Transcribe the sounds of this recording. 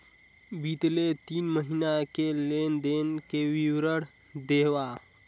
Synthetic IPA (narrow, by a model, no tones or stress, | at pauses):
bit̪let̪inməɦinakelend̪enkeʋiwɾəɽ | d̪eʋa